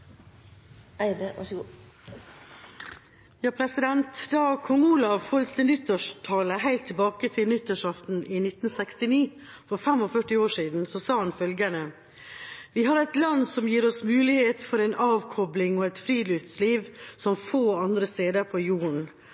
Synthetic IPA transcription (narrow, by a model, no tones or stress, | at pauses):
æɪɾəɑ̰ʂɡ | jɑːpʰɾɛsɪd̪ɛnt̪d̪ɑːkʰɔŋuːlɑʋhɔlst̪ənʏt̪ːəʂʈʰɑːləɦæɪlt̪ʰːɪlbɑːkət̪ʰɪlnʏt̪ːəʂɑft̪n̩ʔɪnɪt̪n̩sɛkst̪ɪniː | fɔɾfɛmɔfœʈːɪoːʂiːd̪n̩sɔsɑːhɑnfœlɡənə | ʋɪɦɑɾɛt̪lɑnsɔmjiːɾɔsmʉːlɪheːt̪fɔɾɛɪnʔɑːʋkʰɔblɪŋɔːɛɪt̪fɾiːlʏft̪sliːʋsɔmfoːɑnd̪ɾəst̪eːd̪əɾpʰɔjuːɳ̩